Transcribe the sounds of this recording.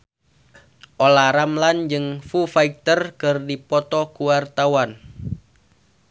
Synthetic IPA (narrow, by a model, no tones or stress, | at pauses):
ʔolaɾamland͡ʒɨŋfufaik̚t̪ərkɨrdipɔt̪ɔkuwart̪awan